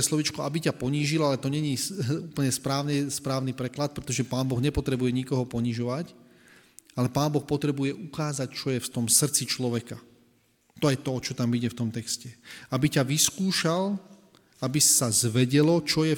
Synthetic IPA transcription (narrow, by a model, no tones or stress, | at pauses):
ɛslɔʋit͡ʃkɔabicapɔɲiːʒilalɛt̪ɔɲɛɲiuːpl̩ɲɛspɾaːʊnɛspɾaːʊnipɾɛklat̪̚pɾɛt̪ɔʒɛpaːnbɔɣɲɛpɔt̪ɾɛbujɛɲikɔɦɔpɔɲiːʒɔʋac | alɛpaːnbɔxpɔt̪ɾɛbujɛʔukaːzact͡ʃɔjɛft̪ɔmsr̩t͡sit͡ʃlɔʋɛka | t̪ɔjɛt̪ɔt͡ʃɔt̪amiɟɛft̪ɔmt̪ɛkscɛabicaʋiskuːʃal | abissazʋɛɟɛlɔt͡ʃɔjɛ